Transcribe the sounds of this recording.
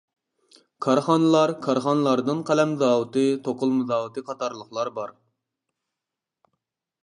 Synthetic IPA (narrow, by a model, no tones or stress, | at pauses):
kʰɑɾχɑnɨlˠɑɾkʰɑɾχɑnɨlˠɑɾd̪ɨnqʰælɛmzɑːwɨt̪ɨt̪ʰoqʊlˠmɨzɑːwɨt̪ʰɨqʰɑt̪ʰɑɾlˠəχlˠɑɾbɑɾ